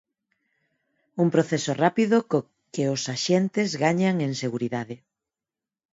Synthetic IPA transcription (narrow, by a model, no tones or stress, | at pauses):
umpɾoθesorapiðoko | kɪosaʃent̪ɪzɣaɲaŋeŋseɣuɾiðaðɪ